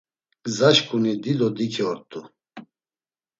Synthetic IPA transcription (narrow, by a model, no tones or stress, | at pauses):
ɡzaʃkʰʼunid̪id̪ɔd̪ikʰiɔɾt̪ʼu